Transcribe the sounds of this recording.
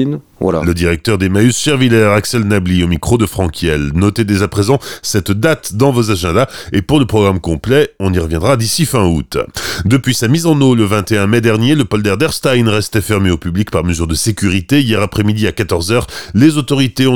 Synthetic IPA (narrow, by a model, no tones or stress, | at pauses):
ləd̪iʁɛk̚t̪œʁd̪emaysʃɛʁvilɛʁaksɛlnabliomikχod̪əfχɑ̃kʲjɛlnɔt̪ed̪ezapχezɑ̃sɛt̪d̪at̪d̪ɑ̃vozaʒɛ̃d̪aepuʁləpχɔɡʁamkɔ̃plɛɔ̃niʁəvjɛ̃d̪ʁad̪isifɛ̃ut̪d̪əpɥisamizɑ̃noləvɛ̃t̪eɛ̃mɛd̪ɛʁnjeləpɔld̪ɛʁd̪ɛʁst̪ajnʁɛst̪ɛfɛʁmeopyblikpaʁməzyʁd̪əsekʲyʁit̪eijɛʁapχɛmid̪iakat̪ɔʁzœːʁlezot̪ɔʁit̪eɔ̃